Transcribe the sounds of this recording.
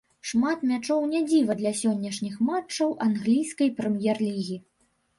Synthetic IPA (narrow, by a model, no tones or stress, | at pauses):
ʂmat̪mʲat͡ʂɔwnʲad͡zʲivɐd̪lʲɐsʲɔnʲːɐʂnʲixmat͡ʂːɐwʔanɣlʲijskɐjpɾɛmjɛrlʲiɣʲi